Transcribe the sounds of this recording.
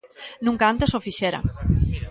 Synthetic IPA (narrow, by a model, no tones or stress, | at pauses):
nũŋkaant̪esofiʃeɾa̰